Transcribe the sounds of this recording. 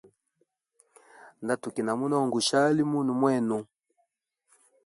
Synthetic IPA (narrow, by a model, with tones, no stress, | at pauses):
nda˦tu˨ki˨na˨mu˦nɔ˦˨ŋɡu˨ʃa˦li˦mu˦nu˨mwɛ˦˨nu˨